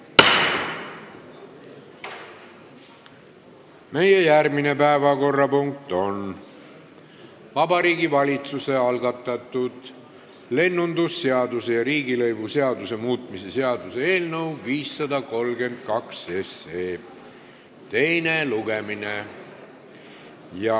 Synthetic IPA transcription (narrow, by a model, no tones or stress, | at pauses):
me̞jejærmine̞pæevɑko̞rːɑpuŋk̚t̪o̞n | vɑbɑɾiːɡivɑlʲit̪suse̞ɑlɡɑt̪ːˑɑt̪ːˑud̪̥ | le̞nːund̪usːeɑd̪use̞jɑɾiːɡilɤjb̥useɑd̪use̞muːt̪ˑmise̞seɑd̪̥usee̞ːlnəwviːsːɑd̪ɑko̞lɡe̞nd̪̥̚kɑkse̞seː | t̪e̞jneluɡ̥emine | jɑ